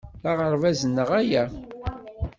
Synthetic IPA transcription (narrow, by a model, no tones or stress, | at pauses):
θaʁəɾˤvæzənːəʁæjæ